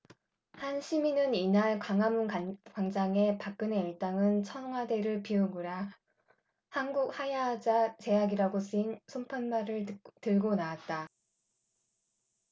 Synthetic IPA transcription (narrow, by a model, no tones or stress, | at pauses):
hanɕʰiminɯninaɭkwaŋamunakwaŋd͡ʑaŋe̞pak̚k͈ɯne̞iɭt͈aŋɯnt͡ɕʰʌnŋɦwade̞ɾɯɭpiuɡuɾa | hanɡuk̚hajad͡ʑat͡ɕe̞jaɡiɾaɡosʰinsʰompʰanmaɾɯɭtɯɭɡonawat̚t͈a